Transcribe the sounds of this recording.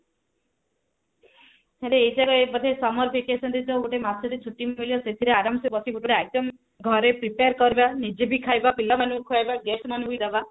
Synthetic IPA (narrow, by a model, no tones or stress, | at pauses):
teɽeeid͡ʒaɡɔebɔd̪ʱesɔmɔɾpʰekesɔnt̪it̪oɡuʈemat̪ːsʰɔɾit͡ʃʰuʈːimilijɔset̪ʰiɾeaɾamsebɔsiɡuʈuʈeajt̪ɔm | ɡʱɔɾepɾipeaɾkɔɾibanid͡ʒebʱikʰajbapilːamanukʰuajbaɡesmanũɦujd̪aba